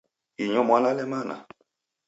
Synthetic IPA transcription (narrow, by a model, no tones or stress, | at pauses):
iɲɔmwanalɛmana̰